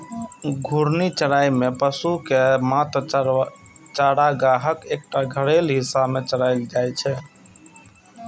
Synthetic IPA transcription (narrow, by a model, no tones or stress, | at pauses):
ɡʱuɾnit͡ʃəɽaimepəsukemat̪ | t͡ʃaɽaɡaɦəkek̚ʈaɡʱəɽelɦisabmet͡ʃəɽaɪld͡ʒajt͡ʃʰɛ